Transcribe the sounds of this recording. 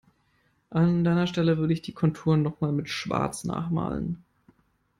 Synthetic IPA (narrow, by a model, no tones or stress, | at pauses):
ʔandaɪnɐʃtɛləvʏɐɾəɪçd̥iːkʰɔntʰuːɐnːɔχmaːlmɪtʃv̥a̰ɐt͡sna̰ːχma̰ːlə̰n